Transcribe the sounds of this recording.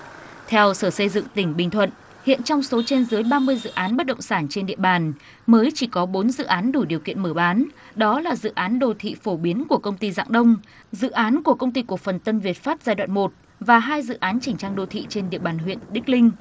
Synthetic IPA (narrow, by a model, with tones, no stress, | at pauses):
t̪ʰɛ˧wsəː˧˩sə˧jzɨ̰˧˨ŋt̪ï˧˩ŋ̟ɓï˨˩ŋ̟t̪ʰwə̰˧˨n | hḭ˧˨ənt͡ɕɔ˧wŋ͡mso˨˦t͡ɕe˧nzɨ˨˦jɓaː˧mɨ˧əjzɨ̰˧˨ʔaː˨˦nɓə˦˥t̚ɗə̰˧˨wŋ͡msaː˧˩nt͡ɕe˧nɗḭ˧˨əɓaː˨˩n | məː˨˦jt͡ɕi˧˩kɔ˨˦ɓo˨˦nzɨ̰˧˨ʔaː˨˦nɗu˧˩ɗi˨˩əwkḭ˧˨ənməː˧˩ɓaː˨˦n | ɗɔ˨˦laː˨˩zɨ̰˧˨ʔaː˨˦nɗo˧˩t̪ʰḭ˧˨fo˧˩ɓi˨˦ənku˧˩əkə˧wŋ͡mt̪i˧za̰ː˧˨ŋɗə˧wŋ͡m | zɨ̰˧˨ʔaː˨˦nku˧˩əkə˧wŋ͡mt̪i˧ku˨˩ək̚fə˨˩nt̪ə˧nvi˨˩ət̚faː˦˥t̚zaː˧jɗwa̰ː˧˨nmo˨˩t̚ | vaː˨˩ɦaː˧jzɨ̰˧˨ʔaː˨˦nt͡ɕi˧˩ŋ̟t͡ɕaː˧ŋɗo˧˩t̪ʰḭ˧˨t͡ɕe˧nɗḭ˧˨əɓaː˨˩nɦwḭ˧˨ənɗï˦˥k̚lï˧ŋ̟